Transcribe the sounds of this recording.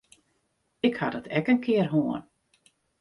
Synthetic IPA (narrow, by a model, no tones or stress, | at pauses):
ɪkhadɔtʰɛkənkʰɪərɦoən